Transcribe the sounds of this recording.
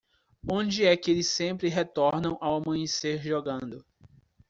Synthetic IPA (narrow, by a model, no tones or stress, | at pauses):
õd͡ʒɪɛkɪelɪsẽmpɾɪɦet̪ɔɾnɐ̃w̃ʔawamɐ̃ɲseɾʒɔɡɐ̃nd̪ʊ